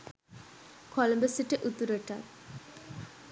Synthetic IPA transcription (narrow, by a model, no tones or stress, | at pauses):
kɔləmbesiʈeʔut̪ːuɾeʈa